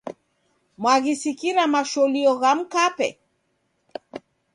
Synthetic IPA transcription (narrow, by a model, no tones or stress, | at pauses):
mwaɣisikiɾamaʃɔliɔɣam̩kapɛ̰